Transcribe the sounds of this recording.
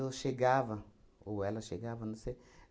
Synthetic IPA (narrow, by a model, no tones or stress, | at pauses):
oʃeɡavɐ | uwɛlɐʃeɡavɐnũse